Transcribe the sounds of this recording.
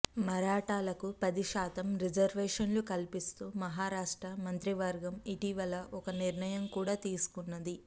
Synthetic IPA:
mɐɾaːʈaːlɐkupɐd̪iʃaːt̪ɐmɾid͡ʒɐɾʋɛːʂɐnlukɐlpist̪uːmɐɦaːɾaːʂʈɾɐmɐnt̪ɾiʋɐɾɡɐmiʈiʋɐlɐʔɔkɐniɾɳɐjɐmkuːɽaːt̪iːsu̥kunːɐd̪i

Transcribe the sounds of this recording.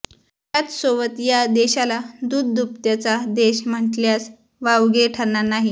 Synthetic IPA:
ɦjat͡s̪soʋət̪jad̪eɕalad̪ud̪d̪up̚t̪jat͡sad̪eɕm̤əʈljas | ʋaʋɡeʈʰananaɦi

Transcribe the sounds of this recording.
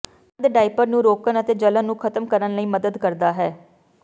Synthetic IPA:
d̪ɖaːipəɾnũːɾoːkənət̪eːd͡ʒələnːũːkʰət̪əmkəɾənləiːməd̪əd̪kəɾd̪aːɦɛː

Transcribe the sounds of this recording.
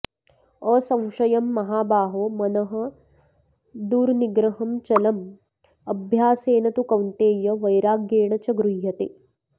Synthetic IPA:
oːsɐ̃w̃ʂɐjɐmːɐɦaːbaːɦoːmɐnɐɦɐ̆ | d̪uːɾniɡɾɐɦɐmt͡ʃɐlɐm | ɐbʱjaːseːnɐt̪ukɐwnt̪eːjɐʋɐjɾaːɡjeːɳɐt͡ʃɐɡɾuɦjɐt̪e

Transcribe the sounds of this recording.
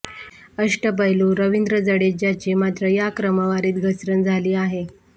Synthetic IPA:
əʂʈəpəɦluːɾəʋind̪ɾəd͡zəɽed͡ʑat͡ɕemat̪ɾəjakɾəməʋaɾiːt̪ɡʱəsɾənd͡zʱaliːaɦe

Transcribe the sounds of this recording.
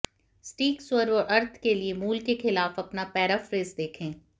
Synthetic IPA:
sʈiːksʊəɾɔʔɐɾt̪ʰkeliemuːlkexɪlaːfɐpnapɛːɾafɾeːzd̪eːkʰẽː

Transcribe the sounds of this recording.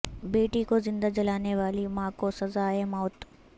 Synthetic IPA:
beːʈikozɪ̃nd̪ad͡ʒɐlaːneʋaːlimãːkosɐzaːemɔːt̪

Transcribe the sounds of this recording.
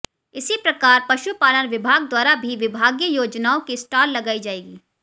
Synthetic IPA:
ɪsipɾɐkaːɾpɐʃupaːləɾʋɪbʱaːɡ̚d̪waːɾabʱiʋɪbʱaːɡjəjoːd͡ʒnaːõkisʈaːlːɐɡaːid͡ʒaːeːɡiː

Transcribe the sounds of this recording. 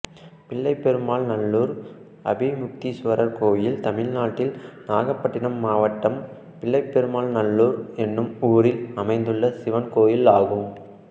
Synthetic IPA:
pɪɭːɐɪpːɛɾɯmaːlnɐɭːuːɾ | ɐ̰bɪmʊk̚t̪isʊʋɐɾɐɾkoːjɪlt̪ɐmɪlnaːʈːɪlnaːɣɐpːɐʈːɪɳɐmːaːʋɐʈːɐm | pɪɭːɐɪpːɛɾɯmaːlnɐɭːuːɾɛnːɯmuːɾɪlɐmɐɪnd̪ɯɭːɐsɪʋɐnkoːjɪlaːɣɯm

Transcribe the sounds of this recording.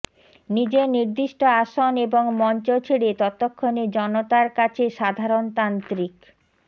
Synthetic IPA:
nid͡ʑeniɾd̪iʃʈoaʃoneboŋmɔnt͡ɕot͡ɕʰeɽet̪ɔt̪ːokʰːoned͡ʑɔnot̪aɾkat͡ɕʰeʃad̪ʱaɾont̪ant̪ɾik

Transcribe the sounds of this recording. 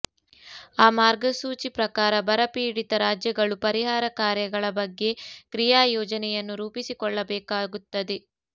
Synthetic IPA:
aːmaːɾɡɐsuːt͡ʃipɾɐkaːɾɐbɐɾɐpiːɽit̪ɐɾaːd͡ʒjɐɡɐɭupɐɾiɦaːɾɐkaːɾjɐɡɐɭɐbɐɡːe̞kɾijaːjɔːd͡ʒɐnɛjɐnːuɾuːpisikɔɭːɐbɛːkaːɡut̪ːɐd̪e

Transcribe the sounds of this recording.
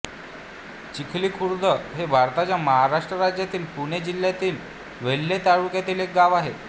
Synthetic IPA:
t͡ɕikʰliːkʰuɾd̪əɦebʱaɾt̪at͡ɕjaməɦaɾaʂʈɾəɾad͡ʑjat̪iːlpuɽ̃ed͡ʑiljat̪iːl | ʋelːet̪aɭukjat̪iːlek̚ɡaʋaɦe

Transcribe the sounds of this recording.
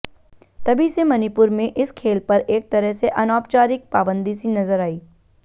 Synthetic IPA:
t̪ɐbʱisemɐnipʊɾmẽʔɪskʰeːlpɐɾeːk̚t̪ɐɾəɦseʔɐnaːpt͡ʃaːɾɪk̚paːbə̃nd̪isinɐzəɾaːiː

